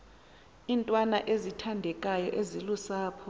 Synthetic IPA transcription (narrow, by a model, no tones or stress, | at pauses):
intʼwana̰ʔezitʰandʱɛkʼajɔʔezilusaːpʰɔ